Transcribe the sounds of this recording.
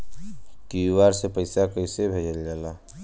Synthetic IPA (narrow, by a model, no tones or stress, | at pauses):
kiwaɾsepəɪsakəɪsebʱed͡ʒəld͡ʒaːla